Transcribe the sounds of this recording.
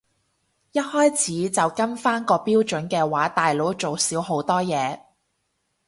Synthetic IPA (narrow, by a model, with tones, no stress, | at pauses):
jɐ˥t̚hɔː˥jt͡sʰiː˨˥t͡sɐ˨wkɐ˥nfaː˥nkɔː˧piː˥wt͡ʃɵ˨˥nkɛː˧waː˨˥t̪aː˨jlo˨˥wt͡ʃo˨wsiː˨˥wɦo˨˥wt̪ɔː˥jɛː˨˧